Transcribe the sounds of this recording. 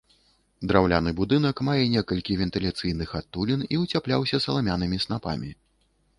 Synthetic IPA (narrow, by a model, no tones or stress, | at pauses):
d̪ɾawlʲanɨbud̪ɨn̪ɐkmajɛnʲɛkɐlʲkʲivʲɛnt̪ɨlʲat̪sɨjnɨxat̪ːulʲiniut͡sʲaplʲawsʲɐsɐlˠamʲanɨmʲisnapa̰mʲi